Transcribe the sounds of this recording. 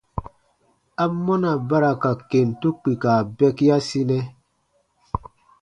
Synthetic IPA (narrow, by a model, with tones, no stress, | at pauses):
a˦mo˦na˨ba˦ɾa˨ka˨ke˨ntu˦k͡pi˨ka˨bɛ˦kja˦si˦nɛ˦